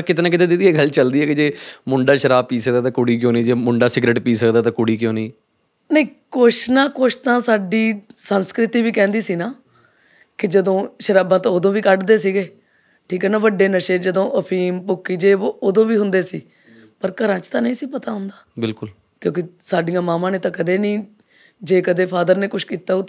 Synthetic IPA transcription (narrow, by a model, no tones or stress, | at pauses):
kɪt̪eːnãːk̬ɪt̪̬ẽːd̪ed̪iɛːɡəlt͡ʃəld̪iːɛːkɪd͡ʒeːmʊɳɖaːʃəɾaːb̚piːsəkd̪aːt̪̬ãːkʊɽiːk̬jõːniːd͡ʒeːmʊɳɖaːsɪɡɾeːʈpiːsəkd̪aːt̪ãːkʊɽiːkjõːniː | nəĩːkoʊʃnãːkoːʃt̪ãːsaːɖiːsənskɾɪt̪iːʋiːkɛ̃ːnd̪iːsiːnaː | kɪd͡ʒəd̪õːʃəɾaːbãːt̪ãːod̪õːʋiːkəɖd̪eːsiːɡeː | ʈʰiːkɦɛːnaːʋəɖːeːnəʃeːd͡ʒəd̪õːʔəpʰiːmpʊkːiːd͡ʒeːooːd̪õːʋiːɦʊ̃nd̪eːsiː | pəɾkəɾãːt͡ʃt̪ãːnəĩːsiːpət̪aːɦʊ̃nd̪aːbɪlkʊl | kjõːkɪsaːɖijãːmaːmãːneːt̪ãːkəd̪eːnĩː | d͡ʒeːkəd̪eːpʰaːd̪əɾneːkʊʃkiːt̪aːoːt̪ː